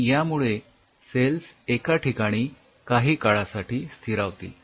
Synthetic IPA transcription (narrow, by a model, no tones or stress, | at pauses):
jamuɭe | selsekaʈikaɽ̃iː | kaɦiːkaɭasaʈiːst̪ʰiɾaʋt̪ḭː